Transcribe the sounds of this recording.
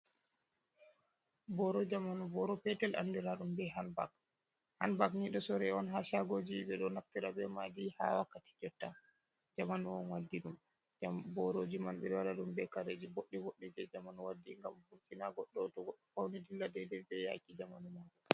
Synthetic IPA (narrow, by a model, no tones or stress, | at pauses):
bɔɾɔd͡ʒamanubɔɾɔpɛtɛlʔa̰ndiɾaɗumbɛɦanba̰k̚ | hanbakniɗɔsɔɾɛɔnɦaʃaɡod͡ʒiɓɛɗɔnaktiɾabɛmadiha̰wakːati̥d͡ʒɔtːa | d͡ʒamanuwɔnwadːiɗum | bɔɾod͡ʒimanɓɛɾwaɾaɗumbɛkaɾed͡ʒiboɗːiboɗːid͡ʒɛd͡ʒamanuwadːiŋɡa̰mvukinaɡɔɗːɔtɔɔfawnidilːadɛdɛbɛja̰kid͡ʒamanumaɗɔ